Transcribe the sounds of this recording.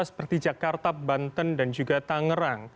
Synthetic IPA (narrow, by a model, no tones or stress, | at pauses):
sə̥pərt̪id͡ʒakart̪abant̪əndand͡ʒuɡat̪aŋəɾaŋ